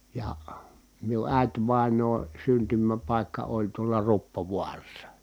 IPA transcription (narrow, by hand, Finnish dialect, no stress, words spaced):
jɑ miu ʔæˑi̯tʋɑˑenˑoːn̞ syntymæpɑˑikːɑ olʲ tuolɑ rupːoʋuɑrɑsːɑ